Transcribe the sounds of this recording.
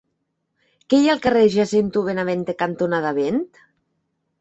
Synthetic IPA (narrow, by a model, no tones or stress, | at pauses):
kejalˠkareʒasent̪uβenaβent̪ekant̪onaðaβent̪